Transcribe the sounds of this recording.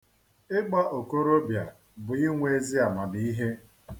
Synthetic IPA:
ɪ˦ɡ͡ba˦ʔo˨ko˦ɾo˦bja˨ | bʊ˨ɪ˦ŋʷe˨˦zi˦a˨ma˨di˨˦i˦ɦe˦

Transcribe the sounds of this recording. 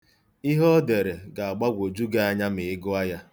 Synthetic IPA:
i˦ɦɔ˦de˨ɾe˨ɡa˨a˨ɡ͡ba˦ɡʷo˨d͡ʒu˦ɡe˦a˦ɲa˦mɪ˨ɪ˦ɡʊ˦a˦ja˦

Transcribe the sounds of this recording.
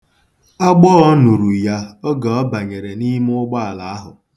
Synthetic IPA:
ɔ˦ɡ͡bɔ˦ɔ˦nu˨ɾu˨ja˦o˦ɡa˨ɔ˦ba˨ɲe˨ɾe˨ni˦m˦ʊ˦ɡ͡ba˦a˨la˨a˦ɦʊ˨

